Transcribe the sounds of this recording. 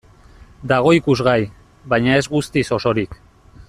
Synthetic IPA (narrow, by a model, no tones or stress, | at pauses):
d̪aɣ̞o̞ikuzɣaj | βajɲae̞zɣust̪iso̞so̞ɾik